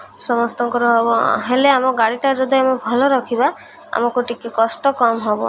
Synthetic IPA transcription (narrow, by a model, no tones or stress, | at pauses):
sɔmɔst̪ɔŋkɔɾɔɦɔbɔɦeleamɔɡaɽiʈad͡ʒɔd̪ʱiamɔbʱɔlɔɾɔkʰiba | a̰mɔkuʈikekɔsʈɔkɔmɦɔbɔ̰